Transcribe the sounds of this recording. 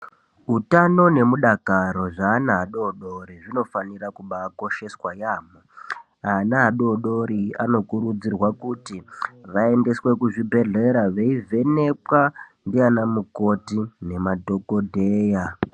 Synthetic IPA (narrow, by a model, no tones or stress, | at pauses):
ɦutano̞ne̞muɗakaɾo̞ʐaːnaɦaɗo̞ɗo̞ɾiʐino̞fanirakuɓako̞ʃe̞swajaːmo | aːnaɦaɗo̞ɗo̞ɾiano̞kuɾud͡zirwakutiʋae̞nde̞swe̞kuʐibʱe̞ɮe̞ɾaʋe̞ive̞ne̞kwandianamuko̞tinemadʱo̞ko̞dʱeːja